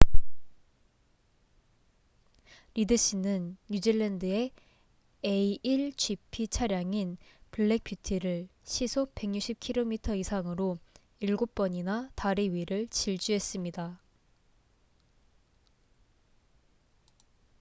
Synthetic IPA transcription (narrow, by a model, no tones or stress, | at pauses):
ɾidɯɕ͈inɯnjud͡ʑiɭːendɯe̞ | eiiɭt͡ɕʰɥipʰit͡ɕʰaɾjaŋinpɯɭːek̚p͈jutʰiɾɯɭɕʰisʰope̞ŋɲuk̚ɕ͈ʰip̚kʰiɾomitʰʌisʰaŋɯɾo | iɭɡop͈ʌɲinataɾiɥiɾɯɭt͡ɕiɭt͡ɕ͈uɦe̞s͈ɯmɲida